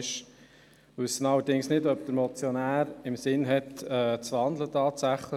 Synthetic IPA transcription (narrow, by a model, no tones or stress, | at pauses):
ʃ | ʋʏsːənɑlːəɾdɪŋsnɪdœpd̥̪əɾmɔt͡sjonæːɾɪmsɪnɦɛtɛːt͡sʋɑnd̪lətɑːt̪sæχlə